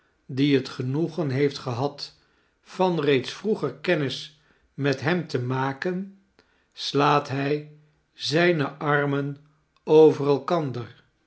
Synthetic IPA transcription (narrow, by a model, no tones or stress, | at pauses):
diɦətχənuχənɦejftχəɦɑt | fɑnrejtsfruχəɹkɛnɪs | mɛtɦɛmtəmaːkən | slaːtɦɛj | zɛjnəʔɑrmən | owvərəlˠkɑndər